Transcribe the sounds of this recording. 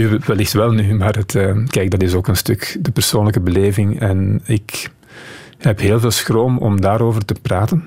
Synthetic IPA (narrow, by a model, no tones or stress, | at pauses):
yʋɛlɪxtʋɛlˠnymaːrɦətəːkɛjk̚dɑtɪsoːkənstɵkdəpər̥soːnləkəbəleːvɪŋɛnɪk | hɛpɦeːlˠveːlˠsxroːmɔ̰mdaːɾoːvərtəpraːtən